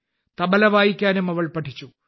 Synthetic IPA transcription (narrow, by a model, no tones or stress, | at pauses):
t̪ɐbɐlɐʋaːjikʲːaːnumɐʋɐɭpɐʈʰːit͡ɕːu